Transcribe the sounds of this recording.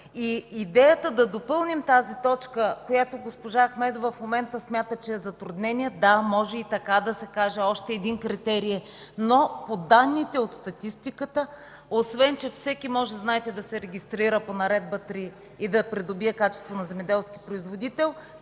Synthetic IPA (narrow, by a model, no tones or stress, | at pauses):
iːd̪ɛjət̪əd̪ɐd̪opɤlˠnimt̪azit̪ɔt͡ʃkəkojat̪oɡospoʒaxmɛd̪ovɐfmomɛnt̪əsmʲjat̪ət͡ʃɛːzɐt̪ɾud̪nɛniɛd̪amɔʒɛit̪ɐkad̪ɐsɛkaʒɛɔʃt̪ɛːd̪inkɾit̪ɛɾiɛ | nopod̪anːit̪ɛot̪st̪ɐt̪ist̪ikət̪ə | osvɛnt͡ʃɛfsɛkimɔʒɛznaɛt̪ɛd̪ɐsɛɾɛɡʲist̪ɾiɾəponɐɾɛd̪̚bət̪ɾiː | d̪ɐpɾid̪obiɛkat͡ʃɛst̪vonɐzɛmɛd̪ɛlˠskʲi̥pɾoizvod̪it̪ɛlˠ